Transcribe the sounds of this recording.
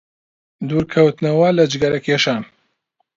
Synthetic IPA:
d̪uːɾkʰɐwt̪nɐwɐlɐd͡ʒɡɐɾɐkʰeːʃaːn

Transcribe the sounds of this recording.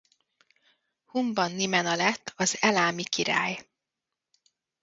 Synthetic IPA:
humbɒnːimɛnɒlɛt̪ʰːɒzɛlaːmikiɾa̰ːj

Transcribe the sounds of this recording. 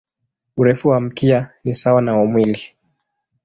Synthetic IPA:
uɾɛfuwam̩kianisawanaɔmwili

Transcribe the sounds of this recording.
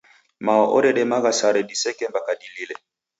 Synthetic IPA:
maɔʔɔɾɛɗɛmaɣasaɾɛɗisɛkɛmbakadililɛ

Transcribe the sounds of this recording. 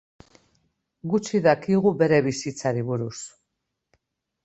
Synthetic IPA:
ɡut͡ʃiðakiɣube̞ɾe̞βisit͡saɾiβuɾus

